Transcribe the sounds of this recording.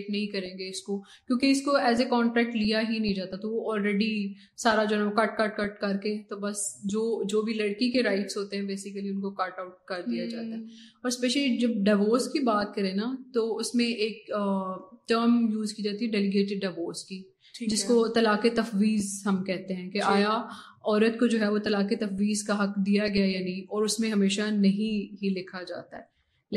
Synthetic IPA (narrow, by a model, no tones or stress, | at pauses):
ʈnɐɦĩkɐɾẽːŋɡeɪsko | kjõːkeɪskoɛːzekɔ̃ːɳʈɾɛːk̚ʈlijaɦinɐɦĩd͡ʒaːt̪at̪oʋoɔːlɾɛːɖi | saːɾad͡ʒoːɛɛ̃ʋokɐʈ̚kɐʈkɐʈkɐɾket̪obɐsd͡ʒoːd͡ʒoːbʱilɐɽkikeɾaːɪʈsɦoːt̪eɦɛ̃beːsɪkəliʊnkokɐʈaʊʈ̚kɐɾd̪ijad͡ʒaːt̪aɦɛ | ɔːɾspɛːʃəlid͡ʒɐb̚ɖaːɪʋoːɾskibaːt̪̚kɐɾẽnat̪oʊsmẽʔeːk̚əʈəːɾmjuːzkiːd͡ʒaːt̪iɦɛɖɛːlɪɡeːʈ̬ɪɖɖaːʋoːɾski | d͡ʒɪskot̪ɐlaːket̪ɐfʋiːzɦɐmkɛɦt̪eɦɛ̃keʔaːja | ɔːɾət̪kod͡ʒoːɦɛʋot̪ɐlaːket̪ɐfʋiːzkaɦɐkd̪ijaɡɐjajaːnĩɔːɾʊsmẽɦɐmeːʃanɐɦĩɦilɪkʰad͡ʒa̰ːt̪a̰ɦɛː